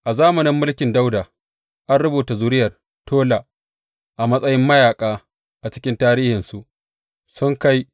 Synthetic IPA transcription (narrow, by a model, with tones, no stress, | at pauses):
ʔa˨zaː˦mɐ˨nɪ˦mːʊ˦lkʲɪ˨nda˦wdaː˨ | ʔa˦nɽʊ˦buː˨ta˨zʊ˦ɾɪ˦jɐ˨r | tʰoː˦la˨ | ʔa˨mɐ˦sʼɐ˦jɪ˦mːɐ˦jaː˨kʼaː˦ | ʔa˨t͡ʃɪ˦kʲɪ˦ntaː˦ɾiː˦hɪ˨nsu˨ʔ | sʊ˦ŋka˦j